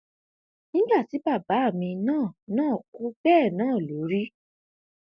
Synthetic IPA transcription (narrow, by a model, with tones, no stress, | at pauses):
nĩ˦ɡ͡ba˦˨ti˨˦ba˦˨ba˨˦˨mĩ˧nãː˦˨nãː˦˨ku˦bɛː˦˨nãː˦˨lo˨˦ɾi˦